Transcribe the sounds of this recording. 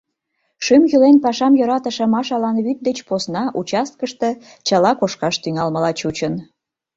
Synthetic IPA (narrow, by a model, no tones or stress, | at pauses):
ʃymjylenpɑʃɑmjoɾɑt̪əʃə̆mɑʃɑlɑnβyt̪̚d̪et͡ɕposnɑʔut͡ɕɑst̪̚kəʃt̪ɤ̆ | t͡ɕɑlɑkoʃkɑʃt̪yŋɑlmə̆lɑt͡ɕut͡ɕən